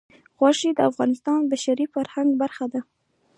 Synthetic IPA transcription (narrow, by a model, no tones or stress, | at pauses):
ɣwɑʂid̪əafɣɑnɪst̪ɑnbaʃaɾifaɾhaŋɡbaɾxad̪a